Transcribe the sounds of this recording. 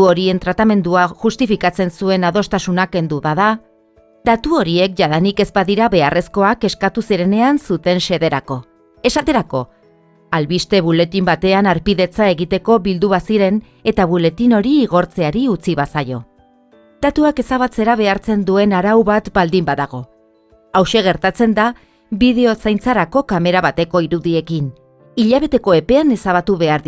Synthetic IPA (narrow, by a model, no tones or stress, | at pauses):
oɾie̞nt̪ɾat̪ame̞nd̪uaʝust̪ifikat͡se̞nsue̞naðo̞st̪asunake̞nd̪uβaða | d̪at̪uo̞ɾie̞k̚ʝaðanike̞zbaðiɾaβe̞arʔe̞sko̞ake̞skat̪usiɾe̞ne̞ansut̪e̞nʃe̞ðe̞ɾako̞ | e̞sat̪e̞ɾako̞ | alβist̪e̞βule̞t̪imbat̪e̞anaɾpiðe̞t͡sae̞ɣit̪e̞ko̞βild̪uβasiɾe̞n | e̞t̪aβule̞t̪ino̞ɾiːɣo̞ɾt͡se̞aɾiut͡siβasajo̞ | d̪̥at̪uake̞saβat͡se̞ɾaβe̞aɾt͡se̞nd̪ue̞naɾawβat̪bald̪imbaðaɣ̞o̞ | awʃe̞ɣ̞e̞ɾt̪at͡se̞nd̪a | βiðe̞o̞sajnt͡saɾako̞kame̞ɾaβat̪e̞ko̞iɾuðie̞kin | iʎaβ̞e̞t̪e̞ko̞e̞pe̞ane̞saβat̪uβe̞aɾði